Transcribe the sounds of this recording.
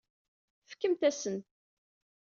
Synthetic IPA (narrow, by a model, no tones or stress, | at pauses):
fə̥kːəmt̪æsən